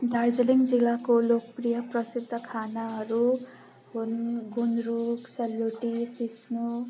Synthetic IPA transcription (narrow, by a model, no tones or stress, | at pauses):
d̪ʱard͡zʌliŋd͡zilakolokprijʌprʌsid̪ʱːʌkʰanaɦʌɾu | ɦunɡunɾuksʌlːuʈisisnu